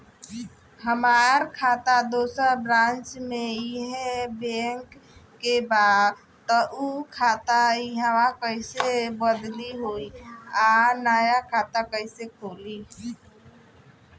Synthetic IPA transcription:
ɦəmaːɾkʰaːt̪ad̪oːsəɾbɾãːnt͡ʃmẽiɦɛbẽŋkː | ebaːd̪ | t̪ːɔʔukʰaːt̪aiɦaʋãkəɪsebəd̪liɦoːiaːnaːjakʰaːt̪akəɪsekʰoːli

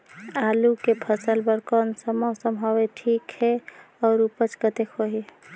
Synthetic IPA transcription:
alukepʰəsəlbəɾkɔnsəmɔsəmɦɔweʈʰikhɛ | ɔːɾupət͡ʃkət̪ekɦoɦi

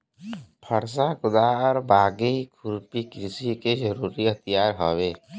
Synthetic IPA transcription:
pʰəɾsakʊd̪aɔɾbaːɡeikʰuɾpikɾɪsikezəɾuːɾiət̪ijaːɾɦoʋeː

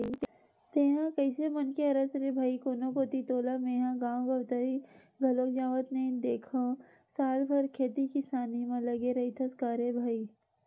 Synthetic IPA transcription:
i | t̪eːɦãkɐɪsemɐnkeɐɾəsɾebʱaːikoːnõkoːt̪it̪oːlameːɦãɡãːɡɐʋt̪aɾi | ɡʱɐloːkd͡ʒaːʋət̪nẽd̪eːkʰõ | saːlpʰɐɾkʰeːt̪ikɪsaːnimãlɐɡeɾɐit̪ʰɐskaːɾebʱaːi

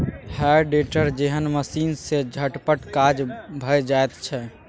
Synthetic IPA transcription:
haɾɖeʈəɾd͡ʒeɦənməsiːnsed͡ʒʱəʈpəʈkad͡ʒbʱəjd͡ʒaet̪t͡ʃʰɛ

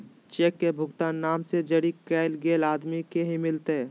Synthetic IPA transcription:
t͡ʃeːkːebʱʊɡt̪aːnːaːmsed͡ʒəɽikɛːɪlɡeːlaːd̪mikeɦimɪlt̪e

